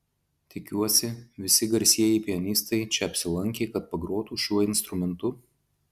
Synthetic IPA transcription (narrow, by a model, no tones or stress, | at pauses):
t̪ʲɪkʲuɔsʲɪʋʲɪsʲɪɡɐɾʲsʲiɛjɛɪpʲiɛnʲiːst̪ɐɪt͡ʃʲɛɐpʲsʲɪlˠɐŋʲkʲeːkɐt̪̚pɐɡɾuɔt̪uːʃʲuɔɪnst̪ɾʊmʲɛnt̪ʊ